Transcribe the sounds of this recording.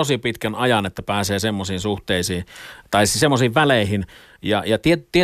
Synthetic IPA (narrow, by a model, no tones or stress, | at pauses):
osipit̪kænɑjɑnet̪ːæpæːseːsemːosiːnsuht̪eˑisiːnt̪ɑissemːosiːʋʋæleˑihin | jɑjɑt̪iet̪ie